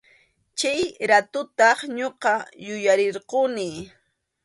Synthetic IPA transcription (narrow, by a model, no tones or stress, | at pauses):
t͡ʃajɾat̪ʊt̪ɑχɲoqɑjʊjaɾɪɾqonɪ